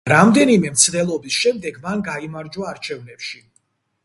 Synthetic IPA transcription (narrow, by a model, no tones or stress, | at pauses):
ɾamd̪ɛnimɛmt̪sʰd̪ɛlˠɔbisʃɛmd̪ɛɡmanɡaimaɾd͡ʒwaːɾt͡ʃʰɛvnɛpʃi